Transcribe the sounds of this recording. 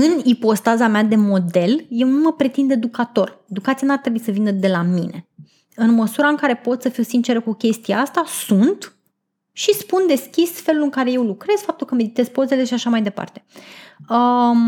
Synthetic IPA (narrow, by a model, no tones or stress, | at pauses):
ɨnipo̞st̪azamead̪e̞mo̞d̪e̞lje̞wnuməpɾe̞t̪ind̪e̞d̪ukat̪o̞re̞d̪ukat̪sijanuart̪ɾebuisəvinəd̪e̞lamine | ɨnməsuɾaɨŋkaɾe̞po̞t̪səfiwsint͡ʃe̞ɾəkukʲe̞st̪ijaast̪asunt̪ | ʃispund̪e̞skʲisfe̞lulɨŋkaɾe̞je̞wlukɾe̞z̥fap̚t̪ulkəme̞d̪it̪e̞zpo̞ze̞le̞ʃiaʃamajd̪e̞pa̰rt̪e̞ə